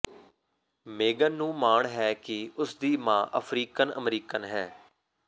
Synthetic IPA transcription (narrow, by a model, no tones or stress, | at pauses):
meːɡənːũːmaːɳɦɛːkɪʊsd̪iːmãːʔə̰pʰɾiːkənə̰mɾiːkənɦɛː